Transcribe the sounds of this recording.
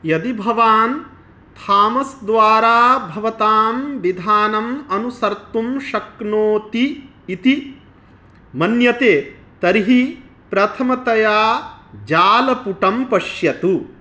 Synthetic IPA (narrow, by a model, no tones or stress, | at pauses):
jɐd̪ibʱɐʋaːn | t̪ʰaːmɐsd̪ʋaːɾaːbʱɐʋɐt̪aːmʋid̪ʱaːnɐmɐnusɐɾt̪umʃɐknoːt̪iː | t̪i | mɐnjɐt̪eː | t̪ɐɾiɦi | pɾɐt̪ʰɐmɐt̪ɐjaːd͡ʒaːlɐpuʈɐmpɐʃjɐt̪u